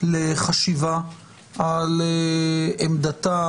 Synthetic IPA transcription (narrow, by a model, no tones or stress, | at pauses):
leχaʃiva | aleemd̪at̪a